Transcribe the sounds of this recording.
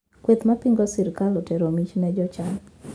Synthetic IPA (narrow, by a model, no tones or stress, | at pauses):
kwet̪mapiŋɡɔsɪɾkalɔteɾomit͡ʃnɛd͡ʒɔt͡ʃaŋ